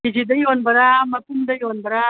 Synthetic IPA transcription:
id͡ʒid̪ɐjonbɐɾaːmɐtːumd̪ɐjonbɐɾa

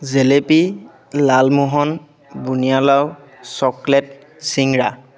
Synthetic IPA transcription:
zelepi | lalmuɦɔn | bunijalaw | sɔklɛt̚ | siŋɹa

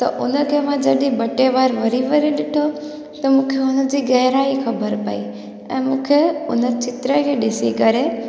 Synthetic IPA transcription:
t̪ɐ̰ʔʊnə̆kʰeːmãd͡ʑɐɗĩbɐʈeʋaːɾʋɐɾiʋɐɾiɗɪʈʰo | t̪ɐmũːkʰeʊnə̆d͡ʑiːɡɐɦɾaːixɐbəɾpɐ̰i | ɛ̰̃ːmũːkʰeʊnət͡ɕʰɪt̪ɾəkʰeːɗɪsikɐɾe

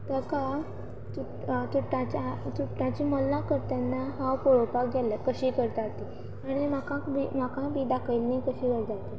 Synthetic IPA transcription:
t̪əka | t̪u | t̪uʈãt͡ɕat̪uʈãt͡ɕimɔlːãkəɾt̪janːaɦawpoɭokakɡʱjaljakəɕiːkəɾt̪at̪i | aɽ̃emakãkbimakãbiːd̪akʰəjlnikəɕiːkəɾt̪at̪i

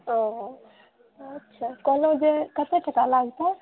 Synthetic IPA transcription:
ɔ̃ | ətːʃʰakɔlod͡ʒekət̪eʈʰəkalaɡt̪ɔ

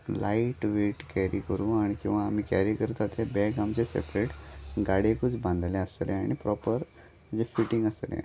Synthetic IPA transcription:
laiʈʋeʈkɛɾikəɾũːaɽ̃ikĩw̃ʋaːm̤ikɛɾikəɾt̪at̪ebɛɡamt͡ɕesḛpɾeʈɡaɽekud͡zbãnd̪ʱljeəsleaɽ̃ipɾɔpəɾ | d͡zefiʈĩŋɡəslḛ̃

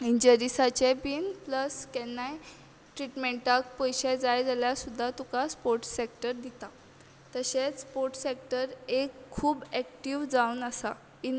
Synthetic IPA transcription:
iɲd͡ʑəɾisat͡ɕebiːnpləskɛnːaj | ʈɾiʈmẽɳʈak̚pəjɕɛd͡zajd͡zaljasud̪ʱːat̪ukaspoɾʈsek̚ʈəɾd̪it̪a | t̪əɕet͡sspoɾʈsek̚ʈəɾekʰːuːbɛk̚ʈiʋd͡zaunəsa | i

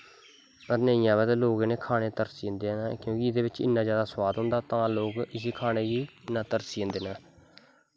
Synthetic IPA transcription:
pəɾnəijãːbət̪ːloːɡneːkʰaːɽeːt̪əɾsiːə̃nd̪eːnaːkjõːkɪɪd̪eːʋɪt͡ʃɪ̰nːãːzjaːd̪aːswaːd̪ɦʊ̃nd̪aːt̪ãːloːkɪs̬iːkʰaːneːɡiːnaːt̪əɾsiːə̃nd̪eːnãː

